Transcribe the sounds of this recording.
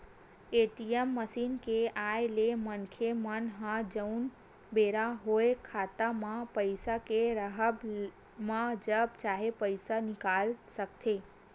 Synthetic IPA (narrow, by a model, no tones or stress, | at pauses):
eʈiemːəsinkeʔaelemənkʰemənɦãd͡ʒəun | beɾaɦoekʰat̪amãpəjsakeɾəɦəb | mãd͡ʒəb̚t͡ʃaɦepəjsanɪkalsək̚t̪ʰe